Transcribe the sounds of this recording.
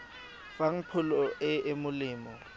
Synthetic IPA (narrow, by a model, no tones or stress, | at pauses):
faŋ̩pʰʊlɔɛʔemʊlɪːmɔ